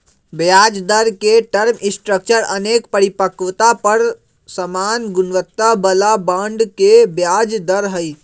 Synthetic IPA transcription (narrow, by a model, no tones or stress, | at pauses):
bjad͡ʒd̪əɾkeʈəɾmĩsʈɾək̚t͡ʃəɾənekpəɾipəkʋt̪apəɾ | səmaːnɡʊnʋət̪ːabəlabãɳɖkebjad͡ʒd̪əɾɦəi